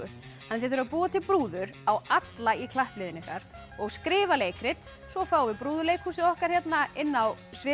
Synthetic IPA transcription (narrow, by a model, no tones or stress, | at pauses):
ʏhanːɛθjɪɾθʏɾapuːðat̪ʰɪlpɾuːðʏɾawat̪laikʰlahplɪðɪnɪhkaɾ | ɔɣskɾɪːvaleːjkɾɪt̪ | svɔfaːwvɪpɾuːðʏɾleːjkhuːsɪɔhkaɾ̥çjɛt̪naɪnːawsvɪ